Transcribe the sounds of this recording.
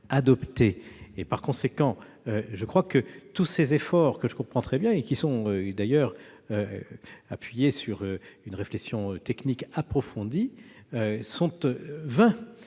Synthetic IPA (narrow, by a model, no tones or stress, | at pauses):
ad̪ɔpt̪eːpaʁkɔ̃sekɑ̃ | øʒəkχwakət̪usezefɔʁkəʒəkɔ̃pχɑ̃t̪χɛbjɛ̃ekʲisɔ̃ød̪ajœːʁøapɥijesyʁøynʁeflɛksjɔ̃øt̪ɛknikapχɔfɔ̃d̪iøsɔ̃t̪vɛ̃